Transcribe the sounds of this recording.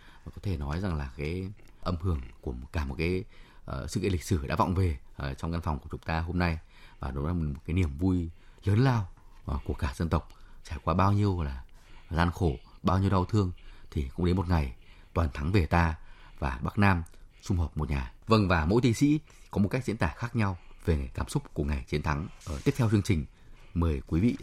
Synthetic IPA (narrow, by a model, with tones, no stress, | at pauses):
kɔ˨˦t̪ʰe˧˩nɔ˨˦jza˨˩ŋlaː˨˩kaː˨˦jʔə˧mhɨ˧˩əŋku˧˩ə˨˩kaː˧˩mo˨˩t̚kaː˨˦jsɨ̰˧˥kli˨˩k̟̚sɨ˧˩ɗa̰ː˧˥v̰wŋ͡mve˨˩˨t͡ɕɔ˧wŋ͡mɣa˧nfwŋ͡mku˧˩ət͡ɕʊ˨˦ŋ͡mt̪aː˧ɦo˧mna˧j | vaː˨˩ɗo˨˦laː˧˨˩mo˨˩t̚kaː˨˦ni˧˩əmvu˧jzəː˨˦nlaː˧wku˧˩əkaː˧˩zə˧nt̪ə˨˩wk͡p̚t͡ɕaː˧˩jkwaː˧ɓaː˧wɲi˧əwlaː˨˩zaː˧nxo˧˩ɓaː˧wɲi˧əwɗa˧wt̪ʰɨ˧əŋt̪ʰi˨˩kʊ̰˧˥ŋ͡mɗe˨˦mo˨˩t̚ŋa˨˩jt̪waː˨˩nt̪ʰa˨˦ŋve˨˩t̪aː˧vaː˨˩ɓa˦˥k̚naː˧msʊ˧ŋ͡mhəː˨˩p̚m˨˩t̚ɲaː˨˩və˧ŋvaː˨˩mo̰˧˥jt̪i˧ŋsḭ˧˥ | kɔ˨˦mo˨˩t̚ka˦˥k̟̚zḭ˧˥nt̪aː˧˩xaː˦˥k̚ɲa˧wve˨˩˨kaː˧˩msʊ˦˥k͡p̚ku˧˩əŋa˨˩jt͡ɕi˨˦ənt̪ʰa˨˦ŋ˧˩t̪i˦˥əp̚tʰɛ˧wt͡ɕɨ˧əŋt͡ɕï˨˩ŋ̟ | məː˨˩jkwi˨˦vḭ˧˨